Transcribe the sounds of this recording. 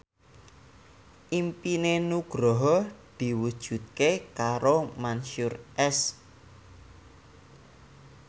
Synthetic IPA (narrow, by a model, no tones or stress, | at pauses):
ʔimpinenuɡ̥ɾɔɦɔd̪̥i̤wud̥ʒ̥ṳt̪̚kekaɾomanʃʊrʔɛs